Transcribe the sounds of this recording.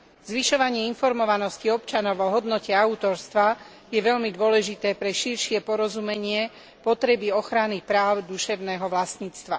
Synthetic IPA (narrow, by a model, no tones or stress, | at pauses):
zʋiʃɔʋaɲɪɛinfɔɾmɔʋanɔsciɔpt͡ʃanɔʊɔɦɔd̪nɔcɛaut̪ɔɾst̪ʋa | jɛʋɛʎmid̪ʊɔlɛʒit̪ɛːpɾɛʃiɾʃɪɛpɔɾɔzumɛɲɪɛ | pɔt̪ɾɛbiɔxɾanipɾaːʊd̪uʃɛʊnɛːɦɔʋlast̪ɲiːt͡st̪ʋa̰